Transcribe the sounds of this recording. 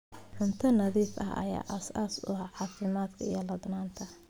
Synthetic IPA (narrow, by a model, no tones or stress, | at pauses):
ħʊnt̪ʰɐnɐðiːfɐ̰ɦɐ̰ja̰ːʔɐsaːsʊ̰hɐʕɑːfɪmaːd̪kʰɐijɐlɐd̪naːnt̪ʰɐ